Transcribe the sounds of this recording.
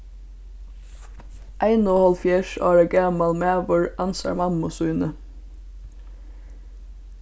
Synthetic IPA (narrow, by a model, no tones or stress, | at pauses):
ʔæɪnoːhɔlfjɛʃɑ̰ːɹəɡæːmɑlmæːʋəɹʔɑnsɑ̰ɹmɑmʊsʉːnə